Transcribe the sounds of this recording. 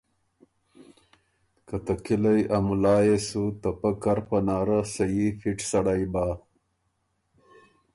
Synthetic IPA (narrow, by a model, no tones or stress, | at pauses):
kɐt̪ɐkilɐjʔɐmulaːjesut̪ɐpɐkɐɾpɐnaːɾasɐjifiʈsɐɽajbaː